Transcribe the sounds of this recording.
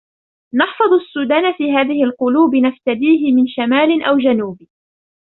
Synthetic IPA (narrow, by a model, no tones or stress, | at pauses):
nɑħfɑd̪ˤasːuːd̪aːnafiːɦaːðɪhɪlqʊluːbɪnaft̪ad̪iːɦɪmɪnʃamaːlɪnʔawd͡ʒanuːb